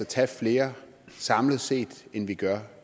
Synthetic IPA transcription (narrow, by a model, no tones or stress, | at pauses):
ɒt͡sʰɛfle̝ːɐ | sɑ̈mləð̩ˠse̝̰ːd̥enʋiɡ̥ɶɐ